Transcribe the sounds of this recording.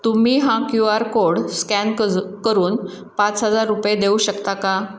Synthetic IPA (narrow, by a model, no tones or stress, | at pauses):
t̪umiːɦãkjuaɾkoɽskænkəɾuːn | pat͡sɦəd͡zaɾːupjed̪euːɕəkt̪aka